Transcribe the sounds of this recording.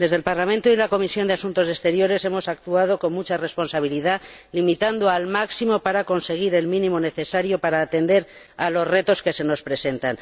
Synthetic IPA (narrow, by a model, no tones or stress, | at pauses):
d̪e̞zðe̞lpaɾlament̪oilako̞misjo̞nd̪easunt̪o̞sest̪e̞ɾjo̞ɾe̞se̞mo̞sak̚t̪uað̞o̞ko̞nmut͡ʃare̞spo̞nsaβ̞iliðalimit̪and̪oalmaksimo̞paɾako̞nse̞ɣ̞iɾe̞lmĩnĩmo̞ne̞θe̞saɾjo̞paɾaːt̪e̞nd̪e̞ɾ | alo̞zre̞t̪o̞ske̞se̞no̞spɾe̞se̞nt̪an